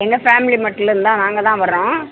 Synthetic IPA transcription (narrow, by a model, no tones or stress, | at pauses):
ɛŋɡɐfaːmɪlimɐʈːɪlɾɯnd̪ãːnaːŋɡɐt̪ãːʋɐɾɾõː